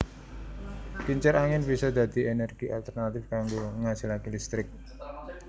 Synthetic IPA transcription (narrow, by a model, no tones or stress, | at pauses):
piɲt͡ʃɛɾaŋɪnb̥isɔd̪̥a̤d̪̥i̤ʔenɛrɡ̥iʔalt̪ərnat̪ɪfkaŋɡoŋasilakilist̪ɾɪk̚